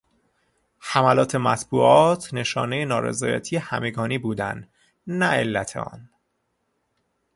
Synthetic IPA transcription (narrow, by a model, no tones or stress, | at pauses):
hæmælɒːt̪ʰe̞mæt̪ʰbuːʔɒːt̪ʰne̞ʃɒ̰ːnejenɒːɾḛzɒːjæ̰t̪ʰijehæme̞ɡɒːniːbuːd̪æ̰nd̪ | næe̞lːæt̪ʰḛɒ̰ːn